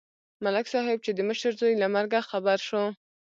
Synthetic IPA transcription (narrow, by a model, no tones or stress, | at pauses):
malaksɑɦɪb̚t͡ʃed̪əməʃəɾzojlamaɾɡaxabaɾʃo